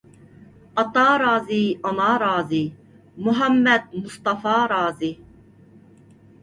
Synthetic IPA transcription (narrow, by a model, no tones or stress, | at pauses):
ɑt̪ɑːɾɑːziɔnɑːɾɑːzi | muɦæmːɛd̪̚must̪ɑfɑːɾɑːzi